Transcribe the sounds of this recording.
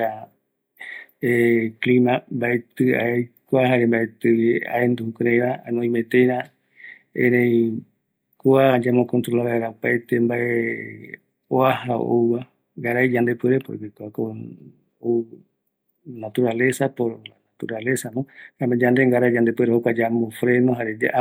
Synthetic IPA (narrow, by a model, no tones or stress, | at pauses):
a | eklimãmbaet̪ɨa̰ejkoaɦaɾembaet̪ɨβia̰end̪uhukɾejɾaanõĩmẽt̪ejɾã | ẽɾẽj | koad͡ʒamõkõnt̪ɾolaβaeɾaopajt̪embaʔe | oahao̰wβa | ŋɡaɾajd͡ʒand̪epeɾepoḭbikoako | o | nat̪uɾalesapoanat̪uɾalesanõhad͡ʒand̪eŋɡaɾajd͡ʒand̪epweɾehokʷad͡ʒamõfɾenoɦaɾed͡ʒ